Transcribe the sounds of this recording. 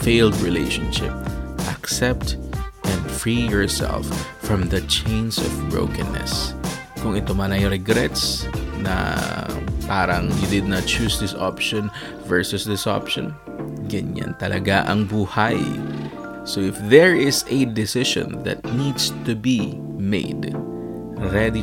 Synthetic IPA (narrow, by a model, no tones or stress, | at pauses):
feɪld̪ɹɪleɪʃõnʃɪp̚ʔɐksɛp̚t̪ʔɛ̃nd̪fɹijɔɹsɛ̰lfː | ɹɐ̃mðɐt͡ʃẽɪ̃nsɔ̰vbɹo̰ʊkɛ̃nːɛ̰s | kʊŋɪt̪omanɐjɾɛɡɾɛt̪snɐ̰ | paːɾɐ̰ŋjud̪ɪd̪̚nɐt̪̚t͡ʃuːsd̪ɪsapʃɔ̃n | vɛɹsʊsðɪsʔa̰pʃɔ̰̃n | ɡɐɲã̰nt̪ɐlʔɐɡaʔɐŋbuːhaj | soɪfðɛɹɪsɛd̪ɪsɪʃɔ̰̃nðɐ̰t̪̚nid̪st̪ubi | mḛɪd̪ | ɹɛd̪i